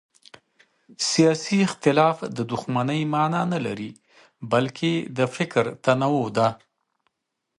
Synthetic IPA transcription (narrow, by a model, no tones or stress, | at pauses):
sijɑsiɪxt̪ɪlɑfd̪əd̪ʊxmanəjmɑnɑnalaɾi | balkʰed̪əfɪkɾt̪anawod̪a